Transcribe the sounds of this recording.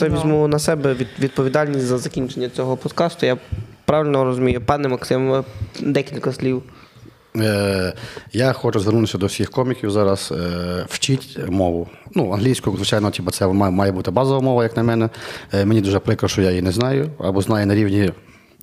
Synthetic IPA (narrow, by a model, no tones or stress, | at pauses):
ɛʋʲizʲmunɐsɛbɛʋʲid̪ʋʲid̪̚pɔʋʲid̪ɑlʲnʲisʲtʲzɐzɐkʲinʲt͡ʃenʲːɐt͡sʲɔɦɔpɔd̪kɑst̪ʊjapɾɑʋɪlʲnɔɾɔzʊmʲijʊpɑnɛmɐksɪmd̪ɛkʲilʲkɐsʲlʲiw | jaxɔt͡ʃʊzʋɛrɾnut̪ɪsʲɐd̪ɔwsʲixkɔmʲikʲiwzɑɾɐswt͡ʃitʲmɔʋʊnuɐnɦlʲijsʲkʊzʋɪt͡ʃajnɔtʲibɐt̪sɛmmɑjɛbut̪ɪbɑzɔʋɐmɔʋɐjɐknɐmɛnɛmenʲid̪uʒɛpɾɪkɾɔʃɔjajinɛznɑjʊɐ̰bɔznɑjɛnɐɾʲiwnʲi